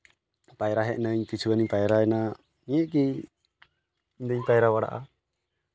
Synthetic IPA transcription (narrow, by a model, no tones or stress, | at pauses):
pajɾaɦɛʔnəɲkit͡ʃʰuwaniɲpajɾaɛna | niɛʔk̬i | iɲd̪əɲpajɛɾawaɽa̰ʔa̰